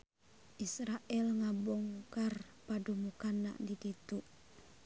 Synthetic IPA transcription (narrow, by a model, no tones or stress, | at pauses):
ʔisɾaʔɛlŋabɔŋkarpadumukanːa̰ʔdikit̪uʔ